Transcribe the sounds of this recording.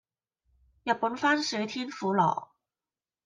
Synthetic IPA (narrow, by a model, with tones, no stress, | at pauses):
ja˨˩pɔ˧˥n̩˥˧fa˥n˥se˧˥t̪ʰi˥nfu˧˥lɑ˨˩˦ʊ